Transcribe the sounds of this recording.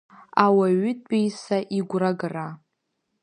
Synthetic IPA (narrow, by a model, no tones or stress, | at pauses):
awaɥʏtʼejsaʔiɡʷraɡra